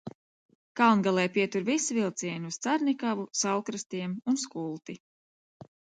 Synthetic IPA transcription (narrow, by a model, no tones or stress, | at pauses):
kalˠnɡalˠɛjpiɛt̪uɾvisuvilˠt̪siɛɲust̪saɾnikavusalˠkɾast̪iɛmuns̬kulˠt̪i